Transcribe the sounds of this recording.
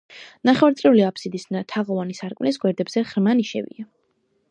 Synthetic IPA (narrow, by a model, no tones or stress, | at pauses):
naχɛwaɾt̪sʼɛuliapʰsid̪isnat̪ʰaʁɔvanisaɾkʼmlisɡwɛɾd̪ɛbz̥ɛχɾmaniʃɛ̰vḭa